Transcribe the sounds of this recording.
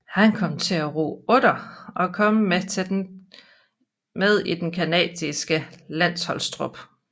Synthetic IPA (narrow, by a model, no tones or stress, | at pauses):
hænkʰɒ̽m̰t͡sʰe̝æʁo̰ːɔ̽ɾ̥ɐɒ̽kʰɒ̽məm | með̞ˠid̥enkʰænɛ̰ːd̥isɡ̥əlæn̰shɒ̽lsd̥ʁob̥